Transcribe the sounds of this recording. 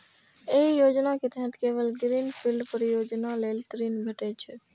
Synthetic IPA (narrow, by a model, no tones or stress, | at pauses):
eijoːd͡ʒnaket̪ɛɦət̪keːʋəlɡɪɾiːnpʰɪlɖpəɾjoːd͡ʒnaleːlt̪əɾiːnbʱɐʈet͡ʃʰə